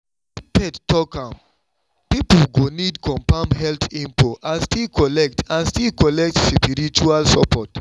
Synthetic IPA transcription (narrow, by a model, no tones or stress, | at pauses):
pɛdtɔkãm | piplɡonidkʰɔ̃mpãmɦɛlθĩmpoʔãnstilkʰɔlɛk̚tʰãnstilkɔlɛk̚tspiɾit͡ʃualsɔpɔt